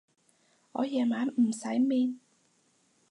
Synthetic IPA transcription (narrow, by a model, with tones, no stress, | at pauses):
ʔɔː˨˧jɛː˨˩maː˨˥nm̩˨˩sɐ˨˥jmiː˧n